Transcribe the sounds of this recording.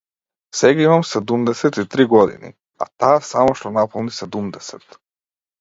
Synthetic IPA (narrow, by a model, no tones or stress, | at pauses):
sɛɡaimamsɛd̪umd̪ɛsɛt̪it̪ɾiɡɔd̪ḭnḭ | a̰t̪aːsamɔʃt̪ɔnapɔlˠnisɛd̪umd̪ɛsɛt̪